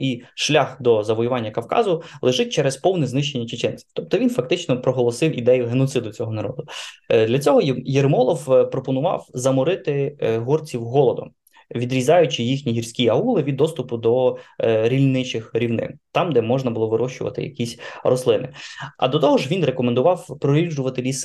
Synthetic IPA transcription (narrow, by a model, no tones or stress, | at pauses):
iʃlʲɑxd̪ɔzɐʋɔjʊʋɑnʲːɐkɐwkɑ̰zʊlˠeʒɪt̚ʲt͡ʃɛɾɛspɔwnɛznɪʃt͡ʃːe̞nʲːɐt͡ʃet͡ʃɛnt͡sʲi̥wt̪ɔp̚t̪ɔʋʲinfɐk̚t̪ɪt͡ʃnɔpɾɔɦɔlˠɔsɪwḭd̪ɛjʊɦenɔt̪sɪd̪ʊt͡sʲɔɦɔnɐɾɔ̰d̪ʊd̪lʲɐt͡sʲɔɦɔjermɔlˠɔfwpɾɔpɔnʊʋɑ̰wzɐmʊɾɪt̪ɪɦɔrt͡sʲiwɦɔlˠɔd̪ɔ̰ | ʋʲid̪ɾʲizʲɑjʊt͡ʃɪjixnʲiɦirsʲkʲiɐulˠɪʋʲid̪ːɔst̪ʊpʊd̪ɔ | ɾʲilʲnɪt͡ʃɪxɾʲiwnɪ̰nt̪ɑmd̪ɛmɔʒnɐbʊlˠɔʋɪɾɔʃt͡ʃʊʋɐ̰t̪ɪ̰jɐ̰kʲisʲɾɔslˠɪnɪ̰ɐ̰d̪ɔt̪ɔɦɔʒʋʲinrekɔmend̪ʊʋɑwpɾɔɾʲiʒʊʋɐt̪ɪlʲis